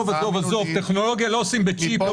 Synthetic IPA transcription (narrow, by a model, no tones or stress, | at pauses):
vazovazovt̪eχno̞lo̞ɡjalo̞osimbet͡ʃip